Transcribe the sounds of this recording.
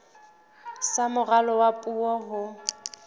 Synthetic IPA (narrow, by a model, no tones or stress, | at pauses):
samʊralɔwapʼuɔɦʊ